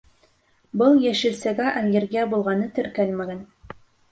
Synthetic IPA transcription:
bɤlˠjæʃɘ̆lsæɡæʔælɡɘ̆ɾɡæbulˠʁɑnɤt̪ɵ̆ɾkælmæɡæn

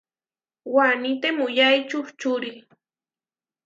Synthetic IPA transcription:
wanit̪emʊjajt͡ʃʊht͡ʃʊɾi

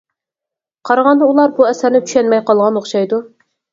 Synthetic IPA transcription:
qʰɑɾɑʁɑnd̪ɑulˠɑɾbuɛsæɾnɪt̪ʰy̥ʃɛnmɛjqɑlˠʁɑnoχʃɑjd̪u

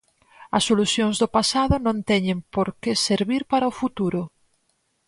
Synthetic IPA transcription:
ɐsːoluθjoŋzðʊpasaðʊnõnt̪ɛɲẽmpoɾkeseɾβiɾpaɾɐofut̪uɾo

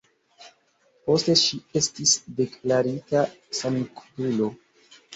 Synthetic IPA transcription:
po̞steʃie̞stisde̞klaɾita | sankpulo̞

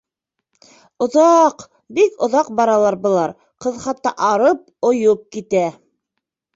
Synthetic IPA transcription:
ŏðɑq | bikŏðɑqbɑɾɑlˠɑɾbŏlˠɑɾ | qɤ̆ðχɑt̪ːɑ̰ʔɑɾɤp̚ | ŏjop̚kit̪æ

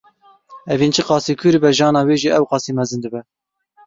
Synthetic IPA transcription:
ɛvint͡ʃʰɨqɑːsiːkʰuɾbɛʒɑːnɑːweːʒiʔɛwqɑːsiːmɛzɨnd̪ɨbɛ

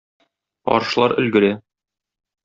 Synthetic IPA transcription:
ɒ̰ɾʃ̆lˠɑɾɵ̆lɡɘ̆ɾæ

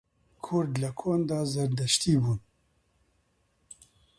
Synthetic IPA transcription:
kʰʊɾd̪lɐkʰoːnd̪ɑːzɐɾd̪ɐʃt̪iːbuːn

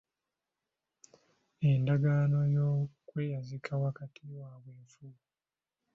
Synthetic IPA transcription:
e̞ndaɡano̞jokwe̞ːjazikʰawakatʰiwaːβweːɱfuu

